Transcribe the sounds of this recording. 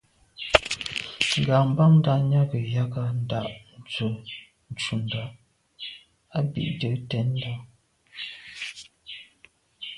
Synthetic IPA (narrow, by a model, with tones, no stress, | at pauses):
ŋ˨ɡa˨m˦ba˦ŋn̩˦da˦ʔɲa˦kə˨ja˦ka˦n̩˦da˦˨ʔn̩˨t͡sə˨ | n̩˨t͡ʃu˨n˨da˨ʔ | a˦bḭ˨ʔdə˨˦tɛ˨˦n̩˦da˦